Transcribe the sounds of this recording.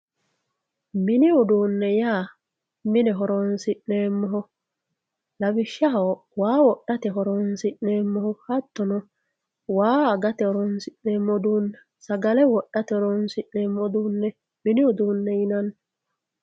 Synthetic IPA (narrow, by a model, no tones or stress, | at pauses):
mɪnɪɔd̪uːnːɛjaː | mɪnɛɦɔɾɔnsɪʔneːmːɔɦɔ | lɐbɪʃːɐɦɐ | waːwɔɗːɐt̪ɛɦɔɾɔnsɪʔneːmːɔhɔhɐt̪ːɔnɔ | waːɡɐt̪ɛhɔɾɔnsɪnːeːmːɔd̪uːnːɛ | sɐɡɐlɛwɔɗːɐt̪ɛhɔɾɔnsɪʔneːmːɔd̪uːnːɛ | mɪnɪɔd̪uːnːɛɪnɐnː